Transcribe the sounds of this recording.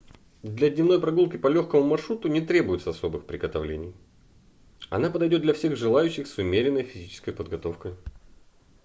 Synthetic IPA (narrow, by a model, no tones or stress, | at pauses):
d̪lʲɐdʲnʲɪvno̞jpɾɐɡulˠkʲɪpɐlʲoxkəmʊmɐrʂɾut̪ʊnʲɪt̪ɾʲe̞bʊjɪt̪səɐso̞bɨxpɾʲɪɡət̪ɐvlʲenʲɪj | ɐ̰napəd̪ɐjdʲo̞t̪dlʲɐfsʲe̞ɣʐɨlˠajʉɕːɪxsʊmʲeɾʲɪnːəjfʲɪzʲit͡ɕɪ̥skəjpəd̪ɡɐt̪o̞fkəj